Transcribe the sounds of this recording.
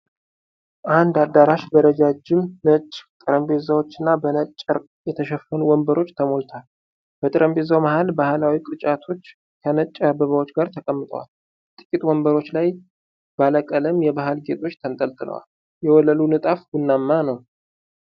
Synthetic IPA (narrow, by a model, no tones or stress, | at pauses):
ʔand̪ad̪ːaɾaʃbəɾəd͡ʒad͡ʒːɪmnət͡ʃʼːt̪ʼɨɾəmbe̞zawo̞t͡ʃːɪnːabənət͡ʃʼːəɾ | jɛt̪ʰəʃɛfːənuwɔmbəɾo̞t͡ʃːt̪ʰəmo̞lt̪ʰal | b̥ət̪ʼɨɾəmbe̞zawmahalbahalawikʼɨt͡ʃʼat̪ʰo̞t͡ʃː | kʰənət͡ʃʼːabəβawo̞t͡ʃːɡaɾt̪ʰəkʼəmːɨt̪ʼə̰wa̰l | t̪ʼɨ̥kʲʼit̪ʼwɔmbəɾo̞t͡ʃːlaj | b̥aləkʼələmjɛβaɦalɡet̪ʼo̞t͡ʃːt̪ʰənt̪ʼəlt̪ʼɨlə̰wa̰l | jɛwɔləlunɨt̪ʼafɡʊnːamːanəw